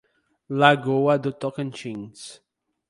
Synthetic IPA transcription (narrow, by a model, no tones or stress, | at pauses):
laɡoad̪ut̪ɔkə̃nt͡ʃĩŋs